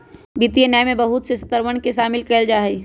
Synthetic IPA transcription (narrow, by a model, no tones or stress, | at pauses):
bit̪ienajmẽbəɦʊt̪sesə̥t̪əɾʋənkeʃaːmɪlkəld͡ʒaːɦɛi